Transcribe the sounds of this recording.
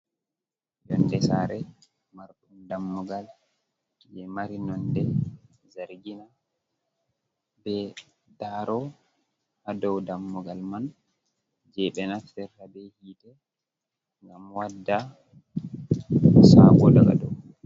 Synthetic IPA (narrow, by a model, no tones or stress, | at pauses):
jɔndɛsaɾɛ | maɾɗumdamːuɡal | jɛmaɾinɔndɛ | zaɾɡina | bɛ | daɾɔ | hadɔwdamːuɡalman | d͡ʒɛɓɛnafɛɾhabɛhidɛ | ŋɡamwadːa | saɡɔdaɡa̰dɔw